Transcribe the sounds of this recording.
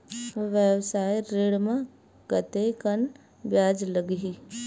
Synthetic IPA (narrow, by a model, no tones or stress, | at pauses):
ʋjəwsaːjɾeːɽmã | ɡət̪ekən | bjaːd͡ʒləɡɦi